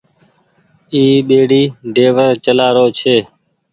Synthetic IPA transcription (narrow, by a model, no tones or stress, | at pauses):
iːɓeːɽiːɖeːʋəɾt͡ʃəlaːɾoːt͡ʃʰeː